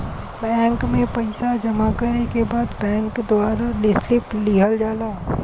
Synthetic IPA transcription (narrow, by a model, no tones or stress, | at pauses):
bɛ̃ːŋkmẽpɐɪsad͡ʒɐmakɐɾnekebaːd̪bɛ̃ːŋkd̪ʊwaːɾalɪslɪpliːɦəld͡ʒaːlaː